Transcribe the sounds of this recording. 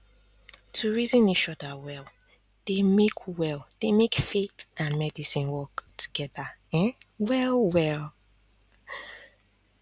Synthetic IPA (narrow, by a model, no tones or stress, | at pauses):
tʰuɹizĩniʃɔdawɛlˠ | d̥emekʰwɛlˠd̥emekfetãnmɛdisĩnwɔktʰu̥ɡ̥ɛdaɛ̃wɛlˠwɛlˠ